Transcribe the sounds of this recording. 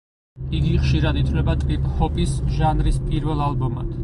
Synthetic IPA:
iɡiχʃiɾad̪it̪ʰvlɛbat̪ʼɾipʼhɔpʼisʒanɾispʼiɾvɛlˠalˠbɔmad̪̥

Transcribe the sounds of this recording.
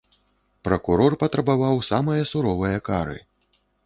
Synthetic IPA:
pɾɐkuɾɔrpɐt̪ɾɐbavawsamɐjɐsuɾɔvɐjɐkaɾɨ̰

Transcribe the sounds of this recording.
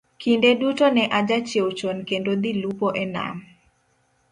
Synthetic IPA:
kindedutonɛʔad͡ʒat͡ʃewt͡ʃonkendod̪ilupoʔɛna̰m

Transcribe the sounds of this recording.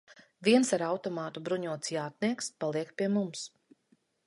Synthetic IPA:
viɛnsaɾawt̪ɔmaːt̪ubɾuɲuɔt̪sjaːt̪̚niɛkspalˠiɛkpʲiɛmums

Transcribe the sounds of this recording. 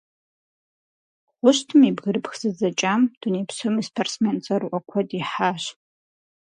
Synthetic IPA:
χʷʊʃtʰɨmibɡɨɾɨpxz̥ɨd͡zat͡ʃʼamd̥unepʰsɨmispʰarsment͡sʼaɾuʔakʷʰadiħaʃ

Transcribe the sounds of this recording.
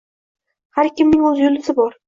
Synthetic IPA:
haɾkʲʰɪmnɪŋɵzjʊlɪsɪbɒɾ

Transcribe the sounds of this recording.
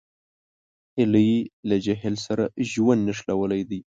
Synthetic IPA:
ɪləjilad͡ʒaɦɛlsaɾaʒwand̪naʂlawəlajd̪i

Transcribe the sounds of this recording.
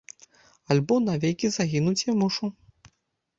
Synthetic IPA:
alʲbɔnavʲejkʲizaɣʲinut͡sʲjamuʂu

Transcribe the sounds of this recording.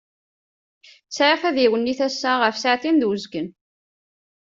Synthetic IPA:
t͡sːʕafæðiwənːiθæsːæʁəfsaʕθind̪wəzɡən

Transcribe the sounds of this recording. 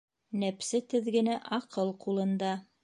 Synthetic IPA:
næpsɘt̪ɘ̆ðɡɘ̆næʔɑqɤlˠqulˠɤ̆nd̪ɑ

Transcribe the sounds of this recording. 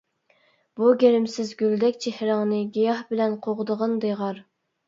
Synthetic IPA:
b̥uɡʲeɾɪmsɪzɡʲyld̪ɛkʲt͡ʃʰehɾɑŋnɨɡʲijɑhbɪlɛnqʰoʁd̪əʁənd̪eʁɑɾ

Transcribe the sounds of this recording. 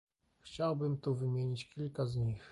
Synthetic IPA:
xt͡ɕawbɘmt̪uvɘmʲjeɲit͡ɕkʲilkazɲix

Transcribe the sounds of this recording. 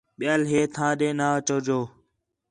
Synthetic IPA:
ɓɪjaːlɦeːt̪ʰãːɗẽːnaːt͡ʃoːd͡ʒoː

